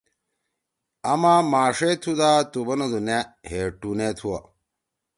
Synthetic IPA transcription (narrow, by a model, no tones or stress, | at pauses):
ɐmamaːʂet̪ʰud̪aːt̪ubɐnɐzuneheʈunet̪ʰuwɐ